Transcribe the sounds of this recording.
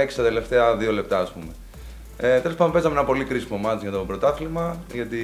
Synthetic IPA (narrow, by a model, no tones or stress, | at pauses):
eksi̥t̪ɐt̪e̞le̞ft̪e̞ɐðio̞le̞p̚t̪ɐːspume | et̪e̞lopɐnd̪ope̞zɐmeenɐpo̞likɾisimomɐt̪izʝɐt̪opɾo̞t̪ɐflimɐʝɐt̪i